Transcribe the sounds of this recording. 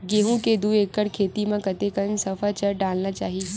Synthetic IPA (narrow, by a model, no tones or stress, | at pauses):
ɡeːɦũked̪uːeːkːəɾkʰeːt̪imãkɐt̪ekənsɐfat͡ʃəɾɖaːlnat͡ʃaːɦie